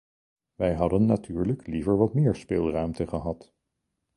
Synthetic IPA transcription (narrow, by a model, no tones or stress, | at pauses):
ʋɛjɦɑdənːatʰyːɹləklivəɹʋɑtmɪːɹspeːlˠrœɥmtəχəɦɑt